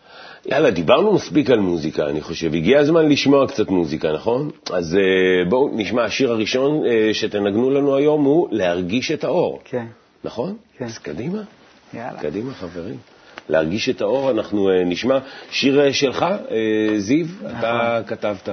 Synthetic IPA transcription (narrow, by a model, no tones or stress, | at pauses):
jʔa̰lad̪ibaʁnumaspikalmuzika̰ːniχo̞ʃe̞viɡiazmanliʃmo̞akt͡satmuzikanaχo̞nazebouniʃmaːʃiʁaʁiʃo̞neʃe̞te̞naɡnulanuajo̞mhule̞haʁɡiʃe̞tao̞ʁ | naχo̞n | zkadima | kadimaχaveʁḭm | lehaʁɡiʃe̞tao̞ʁanaχnueniʃmaʃiʁʃe̞lχaezivat̪akatavta